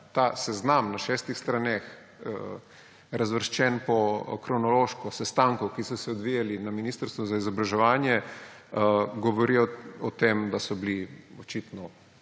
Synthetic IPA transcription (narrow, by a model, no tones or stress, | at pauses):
t̪asɛznamnaʃɛːst̪ixst̪ɾanex | ə | ɾazʋəɾʃt͡ʃɛnpɔkɾɔnɔloʃkɔsɛst̪aŋkɔkisɔsɛɔd̪ʋijalinaminiːst̪əɾst̪ʋɔzaizɔbɾaʒɛʋaːnjɛ | ɡoʋɔɾiɔɔt̪emd̪asɔbliot͡ʃit̪nɔ